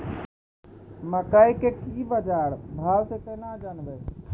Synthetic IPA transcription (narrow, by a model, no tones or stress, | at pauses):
məkəjkekibəd͡ʒaɾbʱawsẽkənad͡ʒənbɛ